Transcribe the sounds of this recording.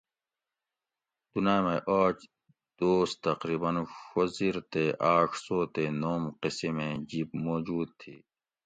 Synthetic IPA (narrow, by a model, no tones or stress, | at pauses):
d̪̥unaːjmeʔaːt͡ʃ | d̪̥oːst̪ɐqɾiːbɐnfoziːɾt̪eʔaːkʰsoːt̪eːnoːmqɪsemẽd͡ʑiːb̚moːd͡ʑuːd̪̚t̪ʰḭː